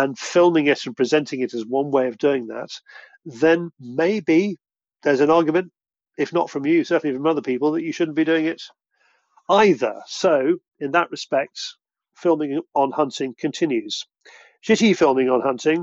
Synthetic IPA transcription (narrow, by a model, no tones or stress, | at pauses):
ə̃nfɪlˠmɪ̃ŋɪɾ̃n̩pʰɹ̥ɨzɛ̃ntɪ̃ŋɨɾɨzwʌ̃nweɪʌvdʉɪ̃ŋðə̰t̚ | ðɨ̃nmeɪbi | ðə˞zɨ̃nɑɹɡjəmɨ̃nt | ɪfnə̰tfɹʌ̃mjɨsɜ˞ʔn̩lifɹʌ̃mʌðəpʰipl̩ˠðət͡ʃɨʃʊdⁿn̩b̥idʉɪ̃ŋɪt | aɪðə̰˞soʊ | ɨ̃nðəʔɹɨspɛk̚t | fɪlˠmɪ̃ŋə̃nhʌ̃ntɪ̃ŋkʰɨ̃ntʰɪ̃njʉz̥ | ʃɪɾifɪlˠmɪ̃ŋə̃nhʌ̃ntʰɪ̃ŋ